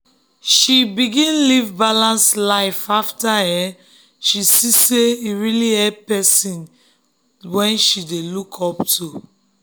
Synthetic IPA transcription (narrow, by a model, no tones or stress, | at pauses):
ʃibiɡĩnlivbalãnslaɪfaftahɛ | ʃisiseiɹiliɛpɛsĩn | wɛ̃nʃidelukʰɔptʰu